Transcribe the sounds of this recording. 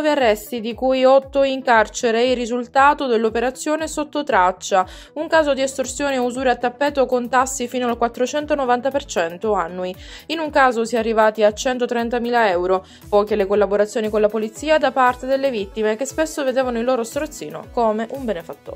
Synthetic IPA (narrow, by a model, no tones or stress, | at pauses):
viarːɛst̪id̪ikujɔt̪ːoiŋkart͡ʃeɾeirːizult̪aːt̪od̪elːopeɾat̪sːjoːnesot̪ːot̪ɾat͡ʃːa | uŋkaːzod̪iɛst̪orsjoːniuzuːɾeat̪ːapːɛːt̪okont̪asːifiːnoalkwat̪ːɾot͡ʃɛnt̪onovant̪apert͡ʃɛnt̪oanːuiinuŋkaːzosiɛarːivaːt̪iat͡ʃɛnt̪ot̪ɾɛnt̪amiːlaɛwɾo | pɔːkelekolːaboɾat̪sːjoːnikonlapolit̪siːad̪apart̪ed̪elːevit̪ːimekespesːoved̪eːvanoilːoːɾost̪ɾot̪sːḭːno̰komeʔumbenefat̪ːo̰ː